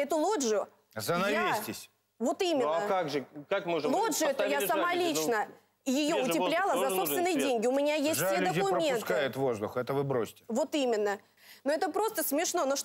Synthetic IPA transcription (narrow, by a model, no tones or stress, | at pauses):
ɛt̪ʊlˠoʐʊ | zənɐjaisʲtʲɪsʲ | vo̞t̪imʲɪnnːəkaɡʐɨkakmolˠo̞ʐʊɛt̪əjasɐmalʲit͡ɕnə | jɪjo̞ʊɪplʲalˠəzzɐsopst̪vɪnːɨjɪdʲenʲɡʲɪʊmʲɪnʲajesʲttsʲed̪əkʊmʲent̪kajɪt̪vo̞zd̪ʊ̰xɛt̪əvɨbɾosʲtʲɪ̥vo̞t̪imʲɪnːə | noɛt̪əpɾo̞st̪əsmʲɪʂno̞noʂ